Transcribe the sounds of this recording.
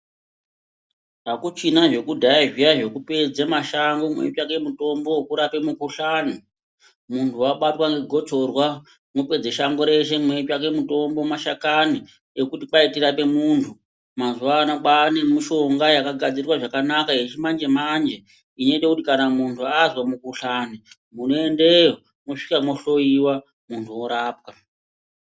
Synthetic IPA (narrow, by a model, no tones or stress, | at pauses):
akut͡ʃinaʐe̞kudʱajaʐijaʐe̞kupe̞d͡zamaʃaŋɡomwḛt͡ʃake̞muto̞mbo̞kuɾape̞mukuɬaːnu | muntʰuwaɓatwaŋɡeɡʱo̞t͡so̞rwa | mupe̞d͡zeʃaŋɡo̞ɾe̞ʃ̬e̞mwe̞t͡ʃak̬e̞muto̞mbomaʃakani | ekutipaitirape̞muntʰu | mazuʋanakane̞miʃo̞ŋɡajakaɡʱad͡ziiwaʐakanakaet͡ʃimand͡ʒe̞mand͡ʒe̞ | ineitekutikanamuntʰuazwamukuɬani | munoende̞jo | moʂi̥kamoɬo̞iwa | muntʰuoɾaːp̚ka